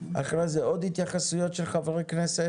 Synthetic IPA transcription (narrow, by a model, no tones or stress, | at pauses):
a̰χɾejzɛɔdhɪt̪jaχasujɔtʃɛlˠχavɛʁejknɛsɛ